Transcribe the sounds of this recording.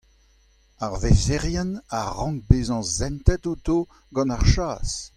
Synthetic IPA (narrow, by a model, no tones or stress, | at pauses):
aʁvezeʁjɛnaʁɑ̃ŋk̚beːzɑ̃zɛ̃nt̪ɛt̪ut̪o | ɡɑ̃naʁʃaːs